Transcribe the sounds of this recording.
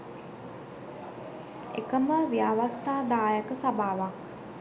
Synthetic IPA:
ḛkəməʋiaʋast̪aːd̪aːjəkəsabʱaːʋak

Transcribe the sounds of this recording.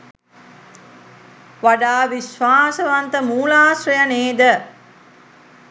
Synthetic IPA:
ʋaɖaːʋiʃʋaːsəʋant̪əmuːlaːsɾɐjɐneːd̪ə

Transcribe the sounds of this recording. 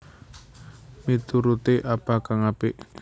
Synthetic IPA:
mit̪uɾut̪eʔab̥a̤kaŋapɪʔ

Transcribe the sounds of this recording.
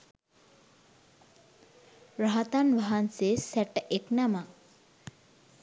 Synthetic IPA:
ɾaɦat̪anʋaɦansesɛʈeknama

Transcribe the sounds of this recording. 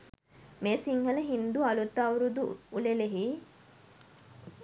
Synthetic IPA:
meːsiŋhɐlɐɦind̪uɐlut̪ːaːuɾud̪uːleleɦiː

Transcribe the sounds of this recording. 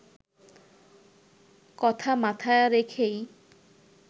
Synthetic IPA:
kɔt̪ʰamat̪ʰajɾekʰej

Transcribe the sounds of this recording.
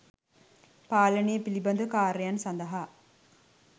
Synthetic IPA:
paːlənijəpilibɐnd̪ukaːɾijansɐnd̪ɐɦa

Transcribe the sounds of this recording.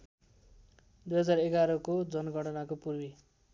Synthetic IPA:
d̪ujɦʌd͡zareɡaɾʌkod͡zʌnɡʱʌɽʌnakopurbi

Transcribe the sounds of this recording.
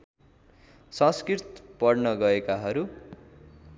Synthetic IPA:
sʌ̃skrirt̪pʌrnʌɡʌekaɦʌɾu

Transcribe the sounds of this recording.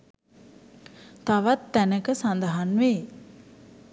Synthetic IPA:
t̪aʋat̪ːænəkəsand̪əɦanʋe

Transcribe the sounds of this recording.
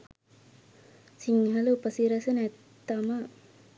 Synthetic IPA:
siŋɦɐluupəsiɾɐsɐnɛt̪ːɐma

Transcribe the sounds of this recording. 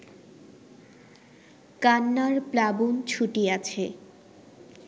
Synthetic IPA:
kanːaɾplabunt͡ɕʰuʈiat͡ɕʰe

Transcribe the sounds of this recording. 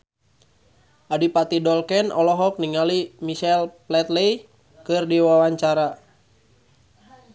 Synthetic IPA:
ʔadipat̪idɔlkɛnɔlɔɦɔk̚niŋalimisɛlplɛt̪lɛj | kɨrdiwawaɲt͡ʃaɾa

